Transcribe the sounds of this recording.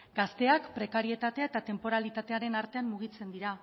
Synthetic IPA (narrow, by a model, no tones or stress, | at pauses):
ɡ̥ast̪e̞akpɾe̞kaɾie̞t̪at̪e̞aet̪at̪e̞mpo̞ɾalit̪at̪e̞aɾe̞naɾt̪e̞ammuɣ̞it͡se̞nd̪iɾa